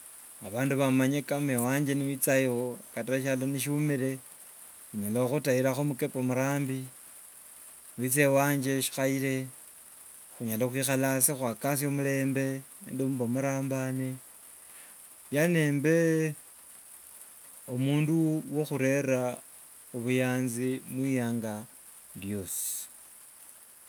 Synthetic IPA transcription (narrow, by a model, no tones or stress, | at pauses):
aβaːnduβamaɲekamewaːɲd͡ʒeniwit͡saiokataʃaloniʃ̬iumiɾe̞ | xuɲalaxutaiɾaxomukepomuɾaːmbi | wit͡se̞waːɲd͡ʒe̞ʃi̥xaiɾe̞ | xuɲalaxwixalasixwakas̬omule̞ːmbe̞endomuβomuɾaːmbane | jane̞ːmbe̞ | omuːnduwo̞xuɾe̞ɾa | uβujaːnzimwijaːŋɡa | djo̞si̥